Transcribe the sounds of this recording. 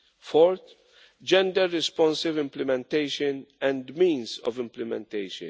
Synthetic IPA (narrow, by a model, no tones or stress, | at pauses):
fɔɾt̪ | d͡ʒɛ̃nd̪ɛɾːɪspɔ̃nsɪvɪ̃mplɪmɛ̃nt̪ejʃənɛ̃nd̪mĩːnzɔ̰vɪ̃mplɪmɛ̰̃nt̪ejʃə̰̃n